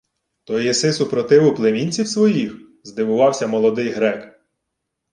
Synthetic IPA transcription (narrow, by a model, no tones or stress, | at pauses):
t̪ɔjisɪsʊpɾɔt̪ɪʋʊplˠemʲinʲt͡sʲiwsʋɔjix | zd̪ɪʋʊʋɑwsʲɐmɔlˠɔd̪ɪjɦɾɛk